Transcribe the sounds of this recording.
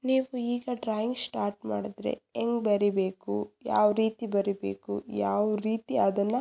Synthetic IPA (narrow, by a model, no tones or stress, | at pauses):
niːʋuiːɡɐɖɾaːjiŋɡsʈaːɾʈmaːɽid̪ɾḛeŋɡbɐɾibe̞ːkujaːʋɾiːt̪ibɐɾibḛːkṵjaːʋɾiːt̪iɐd̪ɐnːɐ